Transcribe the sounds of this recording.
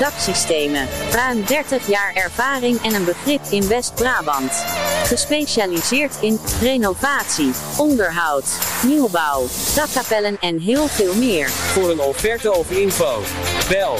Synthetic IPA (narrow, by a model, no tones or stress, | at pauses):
d̥ɑksistejməraɥndɛɹtəχjaːɹɛɹv̥aːrɪŋɛnənbəχrɪpɪnʋɛst̚braːbɑntχəspejʃaːlizɪːɹtɪnrejnovaːtsi | ɔndəɹɦɑwtniwbʌwd̥ɑkapɛlənɛnɦɪːlˠvɪːlˠmɪːɹv̥ʊːɹənɔfɛɹtəɔfəɪnfowʋɛlˠ